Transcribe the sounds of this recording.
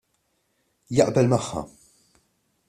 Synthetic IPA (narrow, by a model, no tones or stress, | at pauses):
jɐʔbɛlmɐħːɐ̰